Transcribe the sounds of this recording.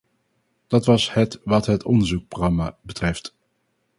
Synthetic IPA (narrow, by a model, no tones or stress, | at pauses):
d̥ɑtʋɑshɛtʋɑtɦətʰɔndəɹzuksproχɑmaːbətrɛft